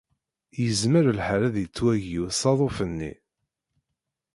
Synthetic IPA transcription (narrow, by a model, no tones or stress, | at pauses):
jəzməɾəlħaɾæðjət͡sːwæʝiwsˤɑðˤofənːḭ